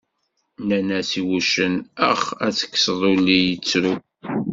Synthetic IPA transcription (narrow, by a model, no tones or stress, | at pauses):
nænæsiwuʃənə̰χæt͡sːə̥kːsðˤulːijət͡sːɾu